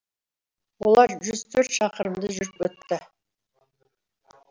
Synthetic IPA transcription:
wolˠɑɾʒʏz̥t̪ʰɵɾt̪ʃɑqəɾəmd̪əʒʏɾɪpwɵt̪ːɪ

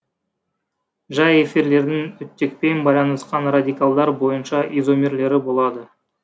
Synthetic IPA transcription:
ʒɑje̞fiɾle̞ɾd̪ɪŋʏt̪ːek̚pe̞nbɑjlˠɑnəsqɑnrad̪ijkalˠd̪ɑɾbo̞jənʃɑʔizo̞mʲe̞ɾle̞ɾɪbo̞lˠɑd̪ə

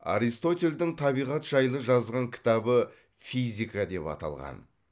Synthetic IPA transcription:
a̰ɾist̪o̞t̪ʲe̞ld̪ɪŋt̪ʰɑbijʁɑt̪ʒ̥ɑjlˠəʒɑzʁɑŋkʲʰɪ̥t̪ɑbə | fizʲijkad̪e̞pɑ̰t̪ɑ̰lˠʁɑ̰n

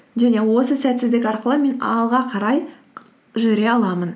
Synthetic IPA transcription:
ʒæne̞wo̞səsæt̪sɪzd̪ɪkʲɑɾqəlˠəme̞nɑ̰lˠʁɑqʰɑɾɑj | ʒʏɾe̞ɑlˠɑmən

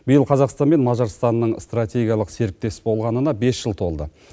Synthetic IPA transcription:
b̥ɪjəlˠqʰɑzɑqst̪ɑnme̞nmɑʒɑɾst̪ɑnːəɴst̪rat̪ʰʲe̞ɡʲijɑlˠəqse̞ɾɪk̚t̪e̞sbo̞lˠʁɑnənɑbe̞sʒ̥əlˠt̪ʰo̞lˠd̪ə̰

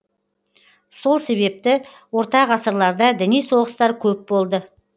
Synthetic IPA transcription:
so̞lˠse̞βe̞p̚t̪ɪ | wo̞ɾt̪ɑʁɑsəɾlˠɑɾd̪ɑd̪ɪnijso̞ʁəst̪ɑɾkʲʰɵp̚bo̞lˠd̪ə

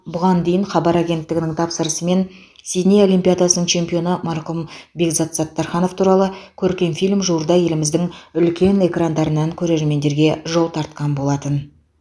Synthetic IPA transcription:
bʊʁɑnd̪e̞jɪɴχɑbɑɾaɡʲe̞nt̪ːɪɡʲɪnɪŋt̪ʰɑpsəɾəsəme̞n | sʲinʲejo̞limpʲijad̪ɑsənəɴt͡ʃʰe̞mpʲio̞nəmɑɾqʊmbekzat̪sat̪ːɑɾχɑno̞ft̪ʰuɾɑlˠəkʲʰɵɾkʲe̞nfilʲmʒuəɾd̪ɑje̞lɪmɪzd̪ɪŋʏlkʲe̞ne̞krand̪ɑɾənːɑŋkʲʰɵɾe̞ɾme̞nd̪e̞ɾɡʲe̞ʒo̞lˠt̪ʰɑɾt̪qɑnbo̞lˠɑt̪ən

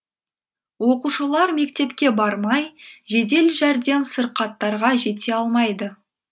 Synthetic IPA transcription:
wo̞quʃəlˠɑɾme̞kt̪e̞pkʲe̞bɑɾmɑjʒe̞d̪e̞lʒæɾd̪e̞msəɾqɑt̪ːɑɾʁɑʒe̞t̪e̞ɑlˠmɑjd̪ə

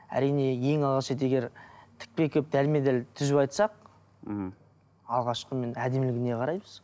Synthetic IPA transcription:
æ̰ɾijne̞je̞ŋɑlˠʁɑʃet̪̬eɡʲe̞ɾt̪ʰɪ̥k̚pe̞kʲʰɵp̚d̪ælme̞d̪ælt̪ʰʏzɪpɑjt̪sɑq̩̚ | ɑlˠʁɑʃqəme̞næd̪emlɪɡʲɪne̞qʰɑɾɑjbəz̥

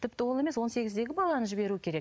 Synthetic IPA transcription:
t̪ʰɪp̚t̪ɪwo̞lˠe̞me̞swo̞nse̞ɡʲɪzd̪e̞ɡʲɪbɑlˠɑnəʒɪbe̞ɾukʲʰe̞ɾe̞k

